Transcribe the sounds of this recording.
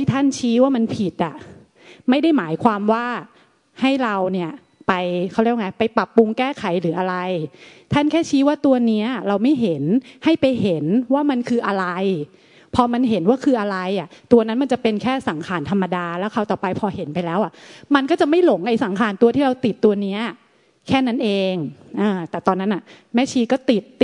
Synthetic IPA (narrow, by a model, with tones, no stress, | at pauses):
a˥˩t̪ʰa˥˩nt͡ɕʰiː˦˥waː˥˩ma˧npʰi˨˩t̪̚ʔa˨˩ | ma˥˩jda˥˩jmaː˩˦jkʰwaː˧mwaː˥˩ | ha˥˩jɾa˧wni˥˩ɐ | pa˧jkʰa˥˩wɾi˥˩ŋma˦jpa˧jpa˨˩pːu˧ŋkɛː˥˩kʰa˨˩˦jɾɯː˩˦ʔa˧ɾa˧jt̪ʰa˥˩nkʰɛː˥˩t͡ɕʰiː˦˥waː˥˩t̪u˧ɐni˦˥ɐɾa˧wma˥˩jɦe˩˦nha˥˩jpa˧jɦe˩˦nwaː˥˩ma˧nkʰɯː˧ʔa˧ɾa˧j | pʰɔː˧ma˧nɦe˩˦nwaː˥˩kʰɯː˧ʔa˧ɾa˧jʔa˨˩t̪u˧ɐna˦˥nma˧nt͡ɕa˨˩pe˧nkʰɛː˥˩sa˩˦ŋkʰaː˧nt̪ʰa˧mːa˧daː˧lɛː˦˥wkʰa˧wt̪ɔː˨˩pa˧jpʰɔː˧he˩˦npa˧jlɛː˦˥wʔa˨˩ʔma˧nkɔː˥˩t͡ɕa˨˩ʔma˥˩jlo˨˩˦ŋʔa˧jsa˩˦ŋkʰaː˧nt̪u˧ɐt̪ʰiː˥˩ɾa˧wt̪i˨˩t̪ːu˧ɐni˦˥ɐ | kʰɛː˥˩na˦˥nʔeː˧ŋʔɤː˧t̪ɛː˨˩t̪ɔː˧nːa˦˥nʔa˨˩ | mɛː˦˥˩t͡ɕʰiː˧kɔː˥˩t̪i˨˩t̪̚ː